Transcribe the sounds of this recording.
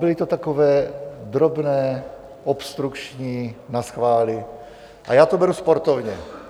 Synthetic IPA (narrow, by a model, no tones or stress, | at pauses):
bɪlɪt̪ot̪akovɛːd̪ɾobnɛː | ʔopst̪ɾukt͡ʃɲiːnasxvaːlɪ | ʔa̰jaːt̪obɛɾuspoɾt̪ovɲɛ